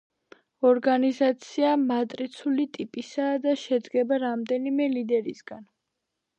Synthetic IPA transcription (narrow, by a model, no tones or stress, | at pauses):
ɔɾɡanizat̪sʰiamat̪ʼɾit̪sʰulit̪ʼipʼisaːd̪aʃɛd̪ɡɛbaɾamd̪ɛnimɛlid̪ɛɾisɡan